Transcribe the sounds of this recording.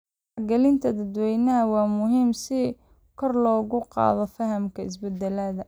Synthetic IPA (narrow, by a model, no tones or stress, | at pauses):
rɡɛlɪnt̪ʰɐd̪ɐd̪wɛjnɐɦɐwɑːmʊɦiːmsɪ | kʰɔrlɔːɣʊqɑ̰ːðɔfɐɦɐmkʰɐɪs̬bɛd̪ɛlɐðɐ